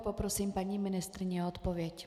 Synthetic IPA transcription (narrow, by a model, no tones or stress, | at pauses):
pɔpɾɔsiːmpaɲimɪnɪst̪ɾiɲɛɔt̪pɔvɪɛc